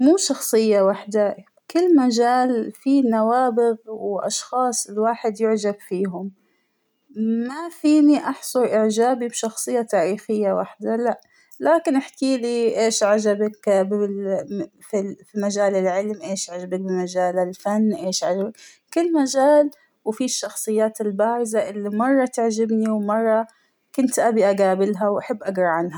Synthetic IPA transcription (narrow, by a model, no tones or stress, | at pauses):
muːʃɑxsˤɨjːawaħd̪a | kɪlːmaʒaːlfinawaːbɪɣwʔɑ̰ʃxɑːsˤɪlwaːħɪd̪jʊʕd͡ʒabfiːɦʊm | mafiːniʔɑħsˤuʔɪʕd͡ʒaːbibʃɑxsˤɨjːat̪aːɾiːxɪjːawa̰ħd̪alaʔ | laːkɪnʔɪħkiːliʔeːʃʕaʒabɪkbɪ | fifimaʒaːlɪlʕɪlmʔeːʃʕaʒabak̚bɪmaʒaːlɪlfanːʔeːʃʕaʒabɪk | kɪlːmaʒaːl | wfiʃːɑxsˤɨjːaːt̪ɪlbaːɾɪzaʔɪlːimɑrˤːɑt̪ɪʕʒɪbniwmɑrˤːɑ | kʊnt̪ʔabiʔaɡaːbɪlɦawʔaħɪbːʔaɡɾˤɑʕanha